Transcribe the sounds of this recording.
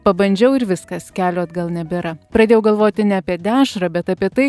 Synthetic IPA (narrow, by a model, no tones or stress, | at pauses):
pɐbɐnʲd͡ʒʲɛʊɪɾʋʲɪskɐskʲæːlʲoːt̪ɡɐlˠnʲɛbʲɪɾɐpɾɐd̪ʲeːjɛʊɡɐlˠʋoːt̪ʲɪnʲɛɐpʲiɛd̪ʲæːʃɾɐbʲɛt̪ɐːpʲiɛt̪ɐɪ